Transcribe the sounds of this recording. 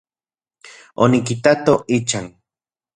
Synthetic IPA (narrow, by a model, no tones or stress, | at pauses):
onikit̪at̪oit͡ʃaŋ